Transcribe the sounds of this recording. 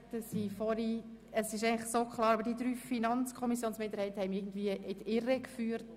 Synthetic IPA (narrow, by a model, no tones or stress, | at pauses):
təsifɔɾi | əsɪʃ̬ɛɪŋlɪxsoːkχlˠɑːɾɑbəɾdidɾyːfinɑnt͡skʰɔmisjoːnsmɪnd̪əɾhɛɪtːəhɛɪmɪɡ̚n̩d̪viəʔɪtɪɾəkfyːəɾt